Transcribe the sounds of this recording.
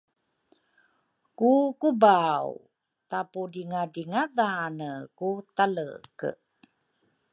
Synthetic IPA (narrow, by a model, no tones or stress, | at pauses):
kukubaw | tapudiŋadiŋaðanəkut̪alə̰kə̰